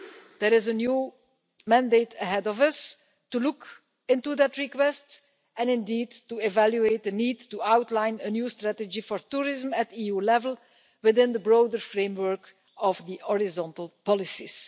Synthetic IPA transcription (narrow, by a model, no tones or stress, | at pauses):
d̪̥əɹɪzənjuː | mæ̃ndeɪtʰəɦɛdɔvʌs | tuluk | ɪ̃ntud̪ætɹikwɛst | ɛ̃nɪ̃ndiːdtuɛvæljueɪt̚d̪əniːdtuawtlãɪ̃nənjuːstɹætəd͡ʒifɔɹtuːɹɪzəmætiːjuːlɛvəl̩ˠ | wɪðɪ̃nd̪əbɹoʊdəɹfɹẽmwɜɹk | ɔvd̪iʔɔɹɪzɔ̃ntəl̩ˠpɑlɪsis